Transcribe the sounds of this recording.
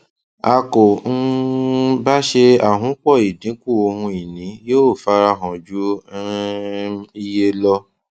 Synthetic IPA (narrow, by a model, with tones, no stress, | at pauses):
a˧ko˨n̩˦ | ba˦ʃe˧a˦˨ɦũ˨˦k͡pɔ˦˨i˨dĩ˨˦ku˦˨o˧ɦũ˧i˨nĩ˨˦joː˦˨fa˦ɾa˧ɦɔ̃˨d͡ʒu˨˦ | i˦je˦lɔ˦